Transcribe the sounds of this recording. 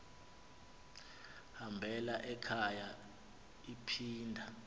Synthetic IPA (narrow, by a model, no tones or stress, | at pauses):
hambʱɛlaʔɛkʰaja | ipʰiːndʱa